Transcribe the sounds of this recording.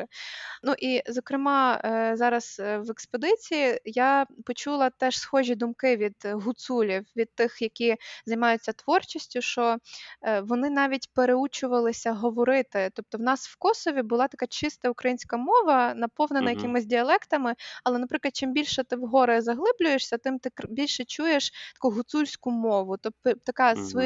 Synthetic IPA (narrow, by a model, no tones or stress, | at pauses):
nuʔizɔkɾɪmɑzɑɾɐsʋɛkspod̪ɪt͡sʲijijapɔt͡ʃulˠɐt̪ɛʃsxɔʒʲid̪ʊmkɪʋʲid̪ɦʊt̪sulʲiwʋʲid̪̚t̪ɪxjɐkʲizɐjmɑjʊt͡sʲːɐt̪ʋɔrt͡ʃisʲtʲʊʃt͡ʃɔ | ʋɔnɪnɑʋʲitʲpeɾeut͡ʃʊʋɐlˠɪsʲɐɦɔʋɔɾɪt̪ɪt̪ɔp̚t̪ɔwnɑswkɔsɔʋʲibʊlˠɑt̪ɐkɑt͡ʃɪst̪ɐʊkɾɐjinʲsʲkɐmɔʋɐnɐpɔwnenɐjɐkɪmɪzʲdʲiɐlˠɛkt̪ɐmɪɐlˠɛnɐpɾɪklˠɐd̪̚t͡ʃɪmbʲilʲʃɛt̪ɪwɦɔɾɪzɐɦlˠɪblʲʊjeʃsʲɐt̪ɪmt̪ɪkbʲilʲʃɛt͡ʃujeʃt̪ɐ̥kuɦʊt̪sulʲsʲkʊmɔʋʊt̪ɔt̪ɐkɑs